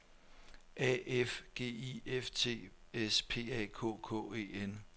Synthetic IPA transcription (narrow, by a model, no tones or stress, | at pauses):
ʔɛefɡ̥e̝̰ːieft͡sʰe̝̰ːespʰe̝̰ːɛ̰kʰɔ̰ːkʰɔ̰ːe̝̰ːen